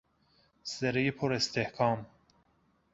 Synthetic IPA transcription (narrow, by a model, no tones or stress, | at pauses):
seɾejipʰoɾest̪ʰehkʰɑːm